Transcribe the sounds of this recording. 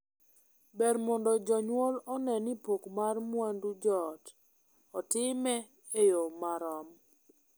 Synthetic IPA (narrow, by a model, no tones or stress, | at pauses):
bɛrmɔndɔd͡ʒɔɲwolɔnɛnipokmarmwandud͡ʒɔt | ɔtɪmɛ | ejomaɾɔm